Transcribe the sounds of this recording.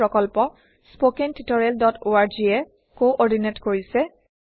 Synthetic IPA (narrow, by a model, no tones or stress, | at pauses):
ɹɔkɔlpɔ | spokɛntitɔɹɛldɔtʰoaɹd͡ʒiɛ | koʔɔɹdinetkoɹisɛ